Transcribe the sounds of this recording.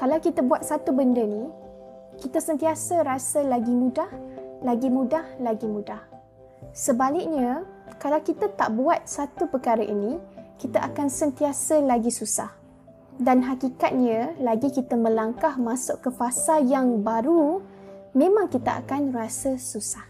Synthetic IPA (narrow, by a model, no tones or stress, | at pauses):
kalawkit̪abuat̪̚sat̪ubəndəni | kit̪asənt̪iasəɾasəlaɡimũdahlaɡimũdahlaɡimũdah | səbalɪk̚ɲakalawkit̪at̪a̰ʔbuat̪̚sat̪upərkaɾaʔinikit̪aʔakansənt̪iasəlaɡisusa̰h | danɦakikat̪̚ɲə̃laɡikit̪amə̃laŋkahmãsʊʔkəfasajaŋbaɾu | mẽmãŋkit̪aʔa̰kanrasəsusah